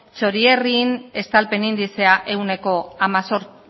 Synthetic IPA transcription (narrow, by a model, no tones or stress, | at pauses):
t͡so̞ɾierine̞st̪alpe̞nind̪ise̞aʔe̞wne̞ko̞amasoɾ